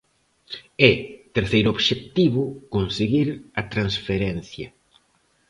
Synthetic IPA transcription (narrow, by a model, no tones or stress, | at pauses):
ɛt̪eɾθejɾʊoβʃekt̪iβʊkonseɣiɾɐt̪ɾansfeɾɛn̟θjɐ